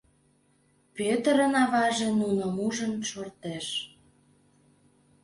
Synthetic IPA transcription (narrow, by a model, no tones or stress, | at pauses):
pet̪əɾənɑβɑʒenunəmuʒənʃort̪eʃ